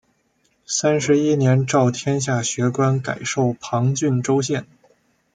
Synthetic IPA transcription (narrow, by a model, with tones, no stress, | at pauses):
sa˥nʂɻ̩˧˥i˥njɛ˧˥nʈ͡ʂɑ˥˩ʊt̪ʰjɛ˥nɕ̬ja˥˩ɕɥɛ˧˥kwa˥nka̰˨˩ɪʂo˥˩ʊpʰɑ˧˥ŋt͡ɕy˥˩nʈ͡ʂo˥ʊɕjɛ˥˩n